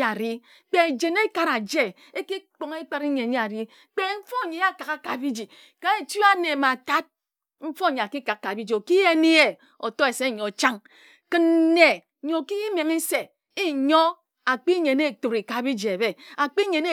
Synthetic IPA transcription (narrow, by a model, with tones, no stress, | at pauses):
a˨ɾi˦ | k͡pe˦˨d͡ʒe˨ne˦ka˨ɾa˨d͡ʒe˦ | e˦ki˦k͡po˨ŋe˦k͡pa˦ɾi˦ɲe˨ɲe˦a˨ɾi˦ | k͡pe˦ɱ̩˦fo˦˨ɲe˨a˦ka˨ka˦ka˨bi˦d͡ʒi˨ | ka˨e˨tu˦a˦ne˨ma˨ta˦t̚ | ɱ̩˦fo˦˨ɲe˨a˨ki˦ka˨k̚ka˨bi˦d͡ʒi˨o˨ki˦je˦ni˦e˨ | o˨to˦e˨se˦˨ɲo˨t͡ʃa˦ŋ | kɨ˦n˦ne˨ | ɲo˨ki˦i˦me˨ŋi˦se˨ | i˦ɲo˦ | a˨k͡pi˦ɲe˨ne˦˨to˨ɾi˨ka˨˦bi˦d͡ʒi˨e˨be˦a˨k͡pi˦ɲe˨ne˦